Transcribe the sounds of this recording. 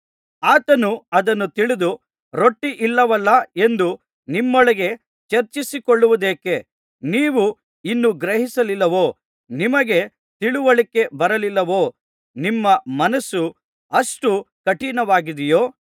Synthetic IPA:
aːt̪ɐnuɐd̪ɐnːut̪iɭid̪u | ɾo̞ʈːiʔilːɐʋɐlːɐe̞nd̪u | nimːɔɭɐɡe̞ | t͡ʃɐɾt͡ʃisikoɭːuʋud̪eːke̞ | niːʋu | inːuɡɾeɦisɐlilːɐʋoː | nimɐɡe̞ | t̪iɭuʋɐɭikːe̞bɐɾɐlilːɐʋoː | nimːɐmɐnɐsːu | ɐʂʈu | kɐʈiːnɐʋaːɡid̪ijoː

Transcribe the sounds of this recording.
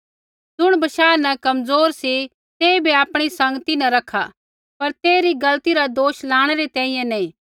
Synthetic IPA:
d͡zʊɽ̃bɐʃaːnɐkɐmzoːɾsi | t̪eːibiaːpɽ̃isɐ̃ŋɡt̪inãɾɐkʰːa̰ | pɐɾt̪eːɾiɡɐlt̪iɾad̪oːʃlaːɽ̃eɾet̪ɛ̃ːĩːjɛ̃nɐĩ

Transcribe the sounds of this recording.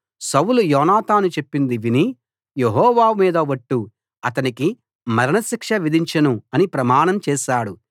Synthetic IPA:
sɐwulujɔːnaːt̪aːnut͡ʃe̞pːind̪iʋini | jeɦɔːʋaːmiːd̪ɐʋɐʈːu | ɐt̪ɐniki | mɐɾɐnɐʃikʂɐʋid̪ʱiɲt͡ʃɐnuɐnipɾɐmaːɳɐmt͡ʃɛːʃaːɽu

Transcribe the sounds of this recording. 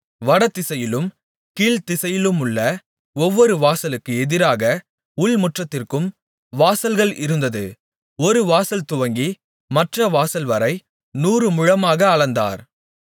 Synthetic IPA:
ʋɐɽɐt̪ːɪsɐjɪlɯm | kiːlt̪ɪsɐjɪlɯmʊɭːɐ | ɔʋːɔɾɯʋaːsɐlɯkːɯɛðɪɾaːɣɐ | ʊɭmʊʈrɐt̪ːɪrkɯm | ʋaːsɐlɣɐɭɪɾɯnd̪ɐðɯ | ɔɾɯʋaːsɐlt̪ʊʋɐŋɡi | mɐʈrɐʋaːsɐlʋɐɾɐɪ | nuːɾɯmʊɻɐmaːɣɐːɭɐnd̪a̰ːɾ

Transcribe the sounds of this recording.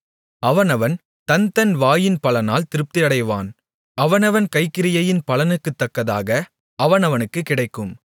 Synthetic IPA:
ɐʋɐnɐʋɐn | t̪ɐnt̪ɐnʋaːjɪnpɐlɐnaːlt̪ɪɾɯp̚t̪ɪɐɽɐɪʋa̰ːn | ɐʋɐnɐʋɐnkɐɪkːɪɾɪjɐjɪnpɐlɐnɯkːɯt̪ːɐkːɐðaːɣɐ | ɐʋɐnɐʋɐnɯkːɯkːɪɽɐɪkːɯm

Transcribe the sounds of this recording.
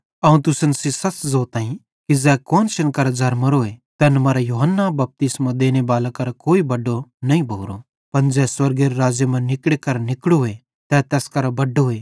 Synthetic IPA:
ɐũt̪ʊsənsisɐt͡ʃzoːt̪ãːɦĩ | kid͡ʒɛːkɔːnʃɐnkɐɾd͡ʒɐɾmɐɾoɦet̪ɛnmɐɾajuɦənːabɐp̚t̪ɪsmad̪eːñebaːlakɐɾakoːibɐɖːonɐɦĩbʱoːɾo | pɐnd͡ʒɛːswɐɾɡeɾoɾaːd͡ʒjemɐ̃nɪkɽekɐɾnɪkɽoɦe | t̪ɛt̪ɛːskɐɾabɐɖːoɦeː

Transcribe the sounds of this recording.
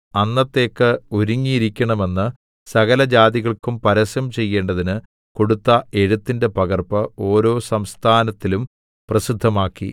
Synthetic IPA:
ɐnːɐt̪ːe̞ːkːɨoɾuŋːiɾikʲːɐɳɐme̞nːɨ | sɐɣɐlɐd͡ʑaːðiɣɐɭkumpɐɾɐsjɐmt͡ɕe̞jːe̞ːɳɖɐðinɨ | ko̞ɽut̪ːɐe̞ɻut̪ːinde̞pɐɣɐrpɐo̞ːɾo̞ːsɐmst̪ʰaːnɐt̪ːilum | prɐsid̪ʱːɐmaːkːḭ

